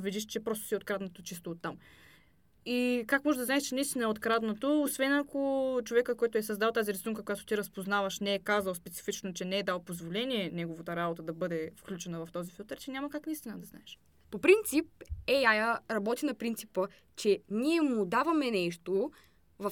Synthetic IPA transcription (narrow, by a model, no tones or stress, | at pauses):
vid̪iʃt͡ʃɛpɾɔst̪o̥siot̪̚kɾad̪not̪ot͡ʃist̪oːt̪ːam | ikakmɔʒɛd̪ɐznaɛʃt͡ʃɛnɐist̪inəɛot̪kɾad̪not̪oːsvɛnɐkot͡ʃovɛkəkɔjt̪ʊɛsɐzd̪alˠt̪aziɾɛsuŋkəkojat̪ʊ̥t̪iɾɐspoznavɐʃnɛɛkazɐlˠspɛt̪si̥fit͡ʃnot͡ʃɛnɛɛd̪alˠpozvolɛniɛnɛɡovot̪əɾabot̪əd̪ɐbɤd̪ɛfklʲut͡ʃɛnəvɐft̪ɔzifilˠt̪əɾt͡ʃɛnʲamɐkaknɐist̪inəd̪ɐznaɛʃ | popɾint̪sip̚ɛjajəɾɐbɔt̪inɐpɾint̪sipə | t͡ʃɛniɛmʊd̪avɐmɛnɛʃt̪o | vɐ